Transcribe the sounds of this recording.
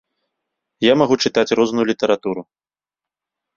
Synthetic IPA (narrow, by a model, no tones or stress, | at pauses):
jamaɣut͡ʂɨt̪at͡sʲrɔznujulʲit̪ɐɾat̪uɾu